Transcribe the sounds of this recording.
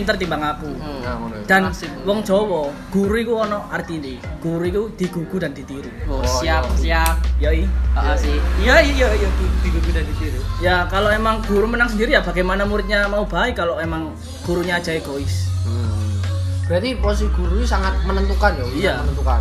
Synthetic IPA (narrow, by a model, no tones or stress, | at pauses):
nt̪ərt̪imbaŋaku | d̥an | wɔŋd͡ʒ̥ɔwɔ | ɡ̥uɾuikuɔnɔart̪iniɡ̥uɾuikud̥i̤ɡ̥uɡ̥udand̥̪it̪iɾisiasiakjaiasijajaijaduud̪̥iɡuɡudandit̪iɾijakaloemaŋɡ̥uɾumənaŋs̬əndiɾijab̥a̤ɡajmanamuɾɪt̪̚ɲamaub̥aikaloemaŋ | ɡ̥uɾuɲaːd̥d͡ʒ̥aeɡ̥oɪs | d͡ʒat̪ipɔs̬iɡ̥uɾusaŋat̪̚mənənt̪ukandɔijanənt̪ukan